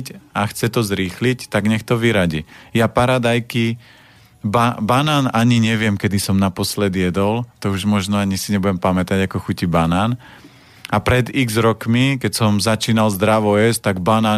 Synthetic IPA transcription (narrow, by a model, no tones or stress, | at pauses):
caxt͡sɛt̪ɔzɾiːxlict̪aɡɲɛxt̪ɔʋiɾaɟijapaɾad̪ajki | babanaːnaɲiɲɛʋɪɛmkɛd̪isɔmnapɔslɛd̪jɛd̪ɔlt̪ɔuʒmɔʒnɔaɲisiɲɛbuɟɛmpamɛt̪aɟakɔxucibanaːn | apɾɛd̪iɡzɾɔkmikɛcsɔmzat͡ʃiːnalzd̪ɾaʋɔɛst̪aɡbanaː